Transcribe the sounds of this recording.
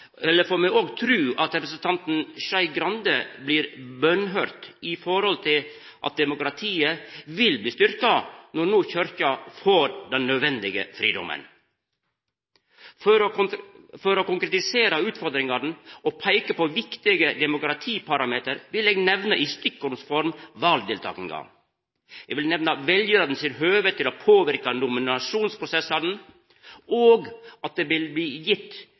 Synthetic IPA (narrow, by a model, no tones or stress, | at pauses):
ɛlːəfoːmɛɡoːɡt̪ʰɾʉːʔɑt̪ɾɛpɾəsənt̪ʰɑnt̪n̩ʃɑɪɡɾɑnd̪əbliːɾbœnɦøːɾt̪ɪfɔɾhɔlt̪ʰɪl | ʔɑ̰t̪̚d̪ɛmʊkɾɑt̪ʰiːəʋɪlbliːst̪ʏɾkɑnɔɾnuːçœɾçɑfoːɾd̪ɛnːœd̪ʋɛnd̪ɪɡə̰fɾḭːd̪ɔ̰mə̰n | fɾ | fɔɾɔkʊŋkɾɛt̪ɪseːɾɑʉːt̪fɔɾd̪ɾɪŋɑd̪n̩ɔpʰæɪkəpɔʋɪkt̪ɪɡəd̪ɛmʊkɾɑt̪ʰiːpʰɑɾɑmeːt̪əɾʋɪleːɡnɛʋnəʔist̪ʏkːʊɾnsfɔɾmʋɑːld̪ɪlt̪ʰɑ̰ːkɪŋɡɑ̰ | ɛɡʋɪlnɛʋnɑʋɛljəɾɑd̪nsɪnɦøːʋət̪ʰːɪlopʰoːʋɪɾkɑnʊmɪnɑʂuːnspʰɾʊsɛsːɑd̪n̩ | oːɡɑt̪̚d̪eːbɪlbliːjɪt̪ː